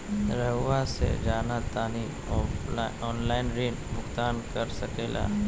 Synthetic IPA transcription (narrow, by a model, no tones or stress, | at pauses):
ɾəʋasḛd͡ʒaːnat̪aːni | ɔːnlaːɪnɾeːnmʊkt̪aːnkɐɾsɐkeːla̰ː